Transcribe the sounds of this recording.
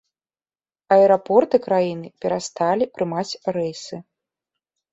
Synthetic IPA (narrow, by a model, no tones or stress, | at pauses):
ɐɛɾapɔrt̪ɨkɾajinɨpʲɛɾast̪alʲipɾɨmat͡sʲɾɛjsɨ